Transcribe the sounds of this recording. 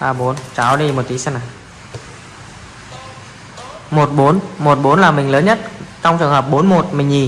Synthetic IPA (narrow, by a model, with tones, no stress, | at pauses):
ʔaː˧˩ɓo˨˦nt͡ɕaː˨˦wɗi˧mo˨˩t̚t̪i˨˦sa˧naː˨˩ | mo˨˩t̚ɓo˨˦nmo˨˩t̚ɓo˨˦nlaː˨˩mï˨˩ŋ̟ləː˨˦nɲə˦˥t̚t͡ɕɔ˧wŋ͡mt͡ɕɨ˨˩ŋɦəː˨˩p̚ɓo˨˦nmo˨˩t̚mï˨˩ŋ̟ɲi˨˩